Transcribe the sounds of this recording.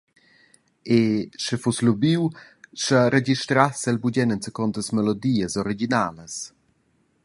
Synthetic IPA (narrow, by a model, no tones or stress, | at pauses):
eʃəfuslubiw | ʃəɾed͡ʒiʃtɾasəlbuɟɛnənt͡səkɔnt̪əsmɛlod̪iːəsɔɾiɡinaːləs